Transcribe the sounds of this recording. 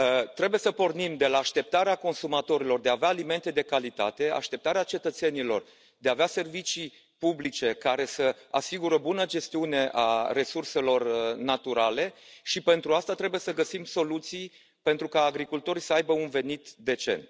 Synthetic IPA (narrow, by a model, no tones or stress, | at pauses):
t̪ɾe̞buje̞səpo̞rnimd̪e̞laːʃt̪e̞p̚t̪aɾeako̞nsumat̪o̞ɾilo̞rd̪e̞aveaːlime̞nt̪e̞d̪e̞kalit̪a̰t̪e̞a̰ʃt̪e̞p̚t̪aɾeat͡ʃe̞t̪ət̪se̞nilo̞̰r | d̪eavease̞rvit͡ʃij | publit͡ʃe̞kaɾe̞səa̰siɡuɾəbunəd͡ʒe̞st̪iune̞ʔare̞surse̞lo̞rnat̪uɾale̞ʃipe̞nt̪ɾuast̪at̪ɾe̞buje̞səɡəsimso̞lut̪sij | pe̞nt̪ɾukaːɡɾikult̪o̞ɾisəajbəunve̞nit̪d̪e̞t͡ʃe̞̰nt̪